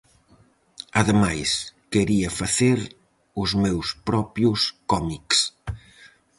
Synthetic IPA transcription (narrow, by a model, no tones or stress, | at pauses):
ɐðemajskeɾiɐfaθeɾ | ʊzmewspɾɔpjʊskɔmiks